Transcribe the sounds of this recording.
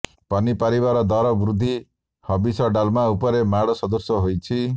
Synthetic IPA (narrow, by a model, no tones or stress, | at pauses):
pɔnipaɾibaɾɔd̪ɔɾɔbɾud̪ʱːi | hɔbisɔɖalmaupɔɾemaɽɔsɔd̪ɔsɔɦojt͡ʃʰi